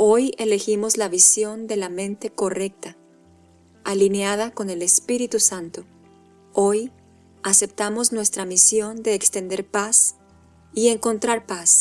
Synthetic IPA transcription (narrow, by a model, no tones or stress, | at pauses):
o̞je̞le̞ximo̞zlaβisjo̞nd̪e̞lamẽ̞nt̪e̞ko̞re̞k̚t̪a | alineaðako̞ne̞le̞spiɾit̪usant̪o | o̞j | ase̞p̚t̪amo̞znwe̞st̪ɾamisjo̞nd̪e̞ːkst̪e̞nd̪eɾpas | ie̞ŋko̞nt̪ɾaɾpas